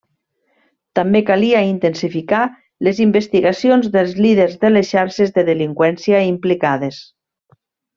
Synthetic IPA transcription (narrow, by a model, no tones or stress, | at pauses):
t̪ambekaliaint̪ensifika | lezimbest̪iɣasionzðəlˠzliðeɾzðəlesʃaɾʃezðeðeliŋkwɛnsiaimplikað̞es